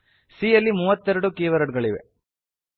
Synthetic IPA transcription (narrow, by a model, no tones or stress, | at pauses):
siːjɐlːimuːʋɐt̪ːɛɾɐɽukeːʋɐɾɐɖɡɐɭiʋḛ